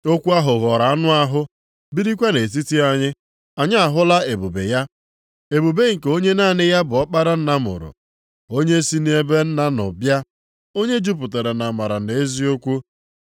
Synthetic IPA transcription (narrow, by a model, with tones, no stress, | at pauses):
o˦kʷu˦a˦ɦʊ˨ɣɔ˨ɾa˨a˦nʊ˦a˦ɦʊ˦ | bi˦ɾi˦kʷe˦ne˨t̬i˦ti˦a˦ɲɪ˦ | a˨ɲɪ˦a˨ɦʊ˦la˦e˨bu˨bḛ˨ja˦ | e˨bu˨be˦ŋ̩˨ke˨o˦ɲe˦naː˦˨nɪ˦ja˦bʊ˨ɔ˦k͡pa˦ɾa˦n̩˦na˦mʊ̰˨ɾʊ̰˨ | o˦ɲe˦si˦ni˦e˦be˦n̩˦na˦nʊ̰˨bja˦ | o˦ɲe˦d͡ʒu˦p̬ʊ˨te˨ɾe˨na˨ma˨ɾa˨e˨e˦zi˦o˦kʷu˦